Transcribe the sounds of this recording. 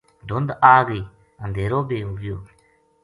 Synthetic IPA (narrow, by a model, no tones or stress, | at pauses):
ɖʱʊnd̪aːɡiː | ənd̪ʱeːɾoːbeːɦoːʋɪjoː